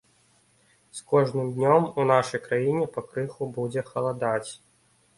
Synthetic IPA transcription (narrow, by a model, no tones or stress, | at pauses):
skɔʐnɨmd̪ʲnʲɔmunaʂɐjkɾajinʲɛpɐkɾɨxubud͡zʲɛxɐlˠad̪at͡sʲ